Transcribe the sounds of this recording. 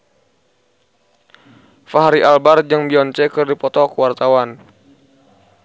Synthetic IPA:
faɦaɾiʔalbard͡ʒaŋbiɔɲt͡ʃɛkərdipɔt̪ɔkəwart̪awan

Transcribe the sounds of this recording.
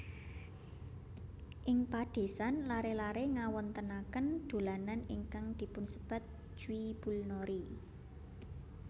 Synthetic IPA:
ʔɪŋpad̥e̤sanlaɾelaɾeŋawɔnt̪ənakənd̪̥o̤lananɪŋkaŋd̪̥i̤pʊnsə̥b̥a̤t̪̚ | ʒ̥uwib̥ulnoɾi

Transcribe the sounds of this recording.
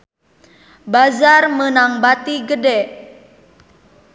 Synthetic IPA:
bazarmənaŋbat̪iɡədɛ

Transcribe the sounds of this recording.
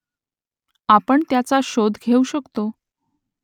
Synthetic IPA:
apəɳt̪jat͡saɕod̪ʱɡʱeuɕəkt̪o

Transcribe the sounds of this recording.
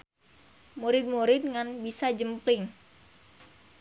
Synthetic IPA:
muɾɪt̪̚muɾɪt̪̚ŋanbisad͡ʒəmplɪŋ

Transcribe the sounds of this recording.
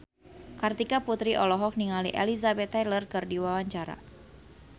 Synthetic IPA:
kart̪ikaput̪ɾiʔɔlɔɦɔk̚niŋalḭʔɛ̰lizabɛt̪ːajlərkɨrdiwawaɲt͡ʃaɾa̰

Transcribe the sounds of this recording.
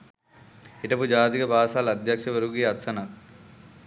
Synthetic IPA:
iʈɐpud͡ʒaːt̪̬ikɐbʱaːsaːlɐd̪ʱjɐkʂɐʋɐɾuɡiːɐt̪sɐnɐt̪̚

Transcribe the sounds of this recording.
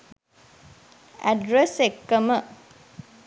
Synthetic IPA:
æ̰ɖɾesekːəmə

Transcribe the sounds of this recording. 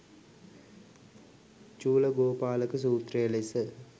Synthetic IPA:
t͡ʃuːləɡoːpaːləkəs̬uːt̪rejəlesə

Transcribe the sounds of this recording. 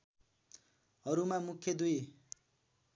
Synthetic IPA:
ʌɾumamukʰːjʌd̪uj

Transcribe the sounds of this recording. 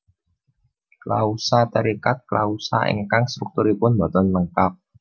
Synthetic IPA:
klausat̪əɾikat̪̚klausa̰ʔḛŋkaŋst̪ɾuk̚t̪uɾipʊnbɔt̪ɔnləŋkap̚

